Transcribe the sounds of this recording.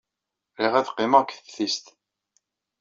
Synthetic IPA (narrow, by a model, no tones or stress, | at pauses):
ɾiʁæθqːɪməʁkʷθfθist̪